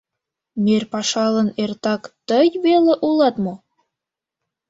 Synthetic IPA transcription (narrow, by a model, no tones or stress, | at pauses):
merpɑʃɑlə̆nert̪ɑkt̪ə̆jβeleʔulˠɑt̪mo